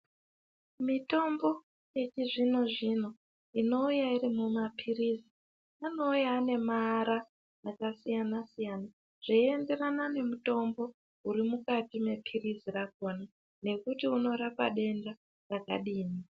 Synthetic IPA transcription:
mito̞mbo̞ | je̞t͡ʃiʐino̞ʐin̤o | ino̞ujairimumapʰirizi | ano̞ujaːne̞maɾaː | kasijanasijana | ʐ̥eie̞nde̞ranane̞muto̞mbo̞ | uɾimukatime̞pʰirizirakona | ne̞kutiuno̞ɾapa̰ɗe̞nda | raka̰ɗiːni

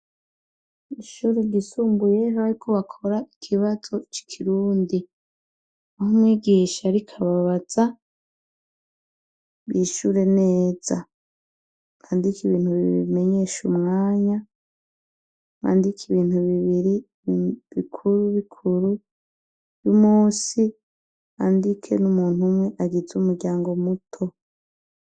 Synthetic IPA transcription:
iʃuɾeɡisuːmbuje̞ɦaaɾikʰoβakʰo̞ɾaikʰiβazo̞t͡ʃi̥kʰiɾuːndi | ahomŋiːɡiːʃaɾikʰaβaβaz̥a | βjiːʃuɾe̞neːz̥a | kaːndikiβiːn̥huβiḭβime̞ɲeːʃumŋaːɲa | ŋa̰ːndikʰiβiːn̥uβiβiɾi | βikʰuɾuβikʰuɾu | jumuːsi | andikʰe̞̰numuːn̥umŋe̞ʔaɡid͡zumuɾɟaːŋɡo̞mutʰo̞

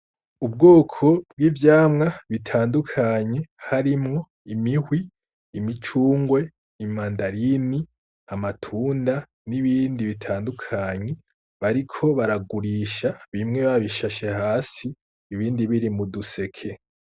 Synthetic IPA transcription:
ub̚ɡoːkʰo̞b̚ɡwiːvjaːmŋaβitʰaːndukʰaɲe̞haɾimŋo̞ | imihwiː | mit͡ʃuːŋɡwe̞ | imaːndaɾini | amatʰuːnda | niβiːndiβitʰaːndukʰaːɲe̞ | βaɾikʰo̞βaɾaɡuɾiːʃaβimŋe̞βaβiʃaʃehaːsiː | βiːndiβiɾimuduse̞kʰe̞

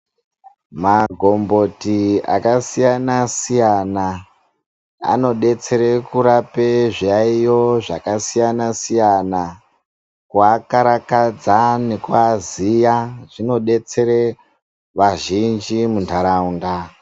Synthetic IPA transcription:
maɡʱo̞mbo̞tia̰kasijanasijana | a̰no̞ɗe̞t͡se̞ɾekuɾapeʐaijo̞ʐakasijanasijana | kwakaɾakad͡zanekwazijaʐ̥ino̞ɗe̞t͡se̞ɾe | ʋaʒind͡ʒimuntʰaɾaunda

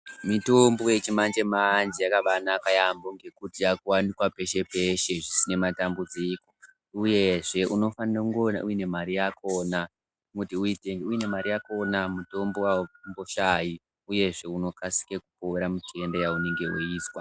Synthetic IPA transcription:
mito̞mbo̞je̞t͡ʃimand͡ʒe̞mand͡ʒijakaʋanakajamboŋɡe̞kutijakuwanikwape̞ʃe̞pe̞ʃe̞ʐisine̞matambud͡ziko̞ | uje̞ʐe̞ʔuno̞fanrakuŋɡona̰uine̞maɾijakʰo̞na | mutiuiteŋɡeuine̞maɾijako̞namuto̞mbowambo̞ʃaji | uje̞ʐe̞uno̞kasi̥kekupoweɾamutiendejaune̞ŋɡe̞uiːswa

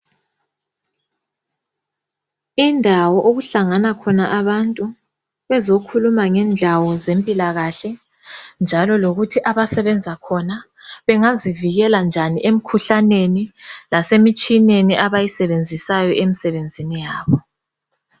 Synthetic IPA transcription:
indʱawɔʔoɣuɬaŋanakʰɔnaʔaβantʼu | βɛzokʰulumaŋɛnd͡ɮʱawɔzempʼilaɣaɬɛ | nd͡ʒʱalɔloɣutʰiʔaβasɛβɛnd͡zʱakʰɔna | βɛŋaziviɣɛland͡ʒʱaniʔem̩kʰuɬanenilasemit͡ʃʼineniʔaβajisɛβend͡zʱisajɔʔemisɛβend͡zʱinijaːβɔ

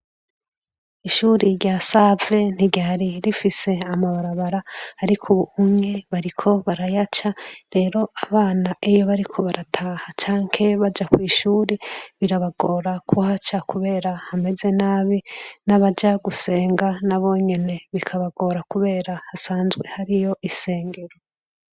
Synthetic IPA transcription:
iʃuːɾiɾjaːsave̞n̥iɟaaɾiɾifise̞amaβaɾaβaɾaːɾikʰuβuumɲe̞βaɾikʰo̞βaɾajat͡ʃaɾe̞ːɾo̞aβaːnaʔejo̞βaɾikʰo̞βaɾatʰaːhat͡ʃaːŋhe̞βad͡ʒakwiːʃuːɾeβiɾaβaɡo̞ːɾakʰuhat͡ʃakuβe̞ːɾahame̞ze̞naːβinaβad͡ʒaɡuse̞ːŋɡanaβo̞ːɲe̞ne̞βikʰaβaɡo̞ːɾakuβe̞ːɾahasaːnzɡwe̞haɾijo̞ʔise̞ːŋɡeɾo

